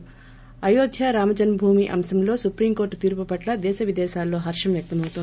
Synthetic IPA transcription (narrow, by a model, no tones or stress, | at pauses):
ɐjoːd̪ʱjɐɾaːmɐd͡ʒɐnbʱuːmiʔɐ̰msɐmlo̞ːsupɾiːmko̞ːɾʈt̪iːɾpupɐʈlɐd̪ɛːʃɐʋid̪ɛːʃaːlːo̞ːɦɐɾʂɐmjɐk̚t̪ɐmɐwt̪un